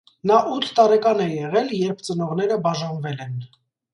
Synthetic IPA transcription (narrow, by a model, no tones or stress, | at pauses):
nɑʔut̪ʰt̪ɑɾɛkɑnɛjɛʁɛljɛɾp̚ʰt͡sənɔʁn̪ɛɾəbɑʒɑnvɛlɛn